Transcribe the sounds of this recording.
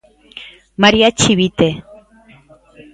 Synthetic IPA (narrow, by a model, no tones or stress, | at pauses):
maɾiat͡ʃiβit̪e